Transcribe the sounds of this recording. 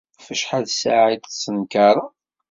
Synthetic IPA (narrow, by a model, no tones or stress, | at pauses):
fəʃħaðsaʕid̪sənkɑɾˤɑ